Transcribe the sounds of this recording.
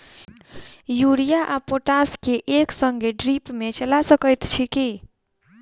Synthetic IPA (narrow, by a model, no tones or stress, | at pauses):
juɾijaʔapoʈaskeʔeksəŋɡeɖɾipmet͡ʃəlasəkəjt̪t͡ʃʰiki